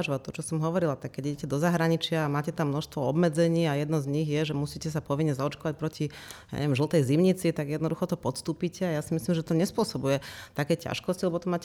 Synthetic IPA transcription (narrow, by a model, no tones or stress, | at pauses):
ʒʋat̪ɔt͡ʃɔsɔmɦɔʋɔɾilat̪akːɛɟiɟɛcɛd̪ɔzaɦɾaɲit͡ʃɪaːmaːcɛt̪amːnɔʃst̪ʋɔɔbmɛd͡zɛɲiːajɛd̪nɔzɲiɣjɛʒɛmusiːcɛs̬apɔʋiɲɲɛzaɔt͡ʃkɔʋac̚pɾɔcija̰ɛ̰ʋjɛmʒlˠt̪ɛjzimɲit͡sit̪aɡjɛd̪nɔd̪uxɔt̪ɔpɔt̪st̪uːpicɛajasimislimʒɛt̪ɔɲɛspʊɔsɔbujɛt̪akɛjca̰ʃkɔscilɛbɔt̪ɔmaːcɛ